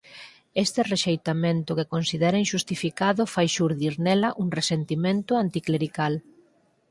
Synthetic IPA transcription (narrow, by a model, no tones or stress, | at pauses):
est̪ɪreʃejt̪amẽnt̪ʊkekonsiðɛɾɐĩŋʃust̪ifikaðʊfajʃuɾðiɾnɛlɐʔuŋresent̪imẽnt̪ʊant̪ikleɾikal